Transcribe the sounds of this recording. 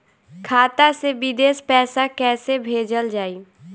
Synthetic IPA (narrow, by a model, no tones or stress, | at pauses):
kʰaːt̪asebɪd̪eːspɛːsakɛːsebʱeːd͡ʒəld͡ʒaːiː